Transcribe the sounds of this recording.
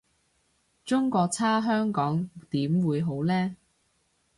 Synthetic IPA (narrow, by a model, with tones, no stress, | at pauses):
t͡sʊ˥ŋkʷɔː˧k̚t͡sʰaː˥ɦœː˥ŋkɔː˨˥ŋt̪iː˨˥mwuː˨˧jɦo˨˥wlɛː˥